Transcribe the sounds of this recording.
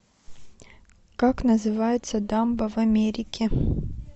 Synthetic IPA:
kaknəzɨvajɪt̪səd̪ambəvɐmʲeɾʲɪkʲɪ

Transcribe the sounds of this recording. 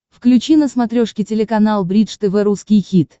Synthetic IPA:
fklʲʉt͡ɕinəsmɐt̪ɾʲoʂkʲɪtʲɪlʲɪkɐnalˠbɾʲit̪ʂt̪ɨvɛɾuskʲɪjxʲit̪

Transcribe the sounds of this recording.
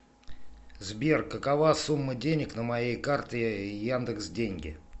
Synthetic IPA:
zbʲerkːəkɐvasumːədʲenʲɪknəmɐjejkart̪ɪjand̪əksdʲenʲɡʲɪ̰

